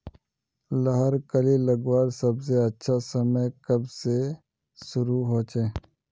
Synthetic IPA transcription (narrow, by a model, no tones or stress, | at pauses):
laɦəɾkəliləɡwaːɾsɐbseɐtːʃʰasəməjkɐbse | sʊɾuɦoːt͡ʃeː